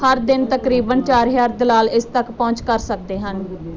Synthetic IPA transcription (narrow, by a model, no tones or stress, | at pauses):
həɾd̪ɪnt̪əkɾiːbənt͡ʃaːɾɦjaːɾd̪əlaːlɪst̪əkpɔ̃ːt͡ʃkəɾsək̚d̪eːɦən